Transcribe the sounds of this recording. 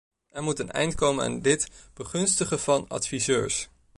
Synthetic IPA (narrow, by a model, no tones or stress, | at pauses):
ɛɹmutənɛ̰jntkowməna̰ːndɪtb̥əχɵnstəχəvɑnɑ̰tfizøːɹs